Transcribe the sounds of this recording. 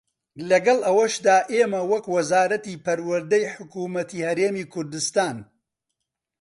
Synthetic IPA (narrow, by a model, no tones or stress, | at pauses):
lɐɡɐlˠʔɐwɐʃd̪aːʔeːmɐwɐkwɐzaːɾɐt̪iːpɐɾwɐɾd̪ɐjħʊkuːmɐt̪ʰiːhɐɾeːmiːkʰʊɾd̪ɨst̪aːn